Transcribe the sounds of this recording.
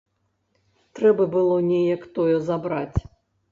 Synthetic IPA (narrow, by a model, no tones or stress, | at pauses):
t̪ɾɛbɐbɨlˠɔnʲejɐkt̪ɔjɔzabɾat͡sʲ